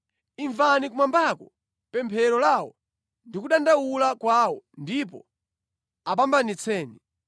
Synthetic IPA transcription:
iɱvanikumambakɔ | pɛmpʰɛɾɔlawɔ | ndikuɗandawulakwawɔndip̬ɔ | ap̬ambanit͡sʰɛːni

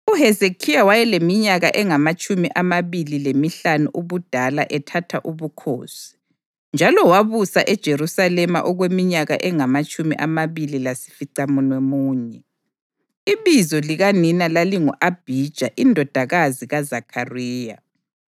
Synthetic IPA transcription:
uɦɛzekʰijawajɛlemiɲaɣaʔɛŋamat͡ʃʼumiʔamaβililemiɬanuʔuβud̥ʱalaʔɛtʰatʰaʔuβukʰo̰ːsi̥ | nd͡ʒʱalɔwaβusa̰ʔɛd̥ʒ̥ʱerusalɛma̰ʔɔɣwemiɲaɣa̰ʔɛŋamat͡ʃʼumḭʔamaβililasi̥fiǀamunwemuːɲɛ | iβizɔliɣaninalaliŋuʔab̥ʱid̥ʒ̥ʱaʔindʱɔd̥ʱaɣaziɣazakʰariːja̰

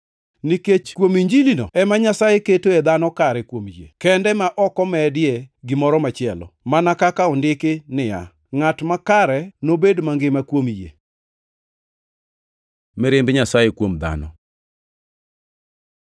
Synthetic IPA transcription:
niket͡ʃkwomiɲd͡ʒilino̰ɛmaɲasajeketoed̪anɔkaɾɛkwomjḛkɛndɛmaʔɔkɔmɛdɪeɡɪmɔɾɔmat͡ʃɪɛlɔ̰manakakaɔndɪkɪnɪja̰ | ŋatmakaɾɛnobedmaŋɡɪmakwomjḛ | mɪɾɪmbɲasajekwomd̪a̰nɔ̰

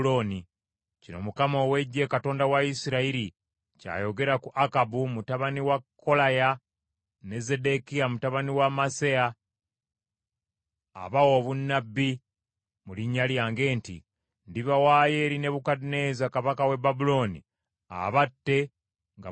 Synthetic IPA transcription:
loni | cino̞̰mukamowe̞ɟːe̞kato̞ːndawaisiɾaiɾi | ca̰ːjo̞ɡe̞ɾakuʔakabumutaβaniwakːo̞laja | ne̞ze̞de̞kiamutaβaniwamasea | βawoβunːabːi | muliɲːaljaːŋɡe̞ːntḭ | ndiβawaje̞ɾine̞βukadine̞zakaβakawe̞babulo̞ːnḭ | a̰βatːe̞ | ŋɡa

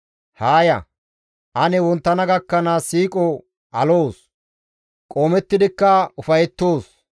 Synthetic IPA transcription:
haːjɐ̰ | ʔɐnɛwɔnt̪ːɐnɐɡɐkːɐnaːsiːkʼɔ | ʔɐlo̞ːs | kʼoːmɛt̪ːɪd̪ɪkːɐʊfɐjɛt̪ːo̞ːs

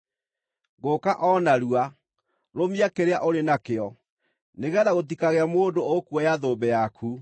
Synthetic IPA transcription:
ɣokaʔɔnaɾua | ɾomiakeɾeaʔoɾenakeɔ | neɣɛðaɣot̬ikaɣeamoːdookuɔjaðoːbɛjakʰu

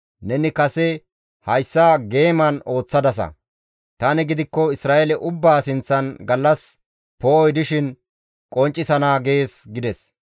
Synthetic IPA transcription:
nɛnɪkɐsɛ | hɐjsːaːɡe̞ːmɐno̞ːt͡sːɐd̪ɐs̬ɐ̰ | t̪ɐnɪɡɪd̪ɪkːɔɪsɾaːʔɛlɛʔʊbːaːsɪnt͡sːɐnɡɐlːɐs | poːjd̪ɪʃɪn | kʼɔnt͡ʃʼːɪsɐnaːɡe̞ːsɡɪd̪ɛs

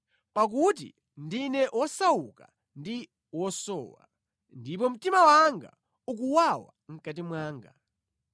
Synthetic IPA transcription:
pak̬ut̬ḭ | ndinɛʔwɔsauka | ndi | wɔsɔ̰ːwa̰ | ndip̬ɔm̩timawaŋɡa̰ | uk̬uwawa̰ŋ̩kat̬imwaːŋɡa̰

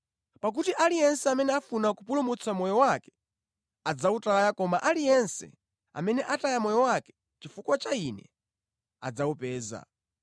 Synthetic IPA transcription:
pak̬utiʔalijɛnsɛamɛnɛafunakupulumut͡sʰamɔjɔwakɛ̥ | ad͡zautajakɔmaʔalijɛnsɛ̰ | a̰mɛnɛʔatajamɔjɔwakɛ̥ | t͡ʃifukwat͡ʃainɛ̰ | a̰d͡zaupɛːza̰

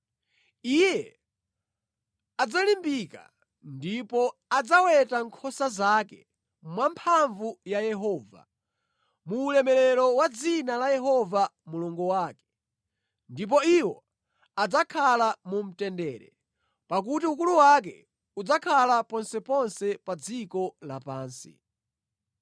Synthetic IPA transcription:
ijɛ | ad͡zalimbika̰ | ndipɔad͡zawɛtaŋkʰɔsazakɛ̰ | mwampʰaɱvujajɛɦɔːva̰ | muːlɛmɛlɛɾɔwad͡zinalajɛɦɔvamuluŋɡuwaːkɛ̥ | ndip̬ɔiwɔ | ad͡zakʰalamum̩tɛndɛːɾɛ | pak̬utiukuluwak̬ɛ̰ | ud͡zakʰalapɔnsɛpɔnsɛpad͡zikɔlapaːnsḭ

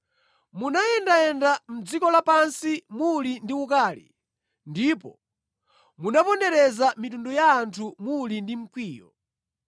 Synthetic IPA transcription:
munajɛndaɛndam̩d͡zikɔlapansimulindiukaːlḭ | ndiːpɔ | munapɔndɛɾɛzamitundɔjaːntʰumulindim̩kʰwiːjɔ̰

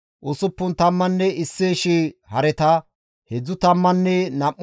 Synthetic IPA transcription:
ʔʊsʊpːʊnt̪ɐmːɐnːɛɪsːeːʃɪhɐɾɛt̪ɐ | hɛd͡zːʊt̪ɐmːɐnːɛnɐʔː

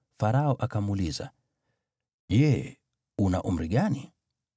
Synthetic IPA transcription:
faɾaɔʔakamuːliza̰ | jɛ | una̰ʔum̩ɾiɠani

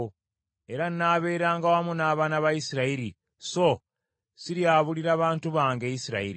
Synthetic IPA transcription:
e̞ɾanːaβe̞ːɾaːŋɡawamunaːβaːnaβajisiɾaiɾi | so | siɾjaːβuliɾaːβaːntuβaːŋɡejisiɾa̰iɾi

